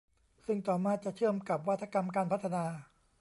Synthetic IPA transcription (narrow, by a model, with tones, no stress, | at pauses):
sɯ˥˩ŋt̪ɔː˨˩maː˥˩t̪̚t͡ɕa˨˩t͡ɕʰɯ˥˩əmka˨˩p̚wa˦˥t̪ʰːa˧ka˧mkaː˧npʰa˦˥t̪ʰːa˧naː˧